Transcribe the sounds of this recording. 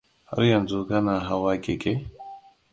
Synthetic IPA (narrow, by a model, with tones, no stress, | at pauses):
ha̰˦ɾjɐ˨nzu˦ɡa˦na˨ɦa˦waː˦ke˨ke˦